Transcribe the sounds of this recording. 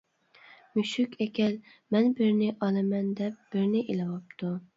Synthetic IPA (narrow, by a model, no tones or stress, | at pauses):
myʃykʲʰɛkʲʰɛl | mɛnbɪɾnɪʔɑlˠɨmɛnd̪ɛp̚b̥ɪɾnɪʔelɨwɑp̚t̪ʰu